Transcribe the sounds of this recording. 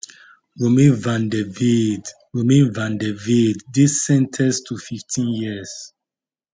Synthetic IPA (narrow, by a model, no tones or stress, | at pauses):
ɹomẽnvãndɛvid | ɹomẽnvãndɛvidːisɛ̃ntʰɛstʰufiftʰĩnjiəs